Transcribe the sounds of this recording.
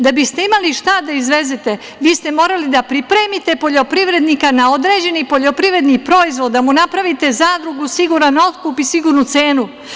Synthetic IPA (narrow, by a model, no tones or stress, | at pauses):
d̪abist̪e̞imaliʃt̪ad̪aizʋe̞zet̪e̞ | ʋiːst̪e̞mo̞ːɾalid̪apɾipɾeːmit̪e̞po̞ʎo̞pɾiʋɾe̞d̪nikanao̞d̪ɾe̞ːd͡ʑe̞nipo̞ʎo̞pɾiʋɾe̞d̪nipɾo̞izʋo̞d̪d̪amunapɾaʋit̪e̞zaːd̪ɾuɡusiɡuɾano̞t̪kuːpisiɡuːɾnut̪se̞ːnu